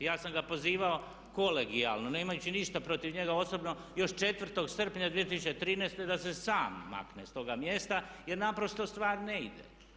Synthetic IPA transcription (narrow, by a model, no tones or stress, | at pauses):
jaːsamɡapo̞ziːʋao̞ | ko̞leɡia̰lˠnoneːmajut͡ɕiniʃt̪apɾo̞t̪iʋɲe̞ɡao̞so̞bno̞ | jo̞ʃt͡ʃe̞t̪ʋr̩t̪o̞ɡsr̩pɲad̪ʋijet̪isut͡ɕet̪ɾiːneːst̪e̞d̪ase̞saːmːa̰knest̪o̞ɡamje̞st̪aje̞ɾnapɾo̞st̪o̞st̪ʋaːɾneid̪ḛ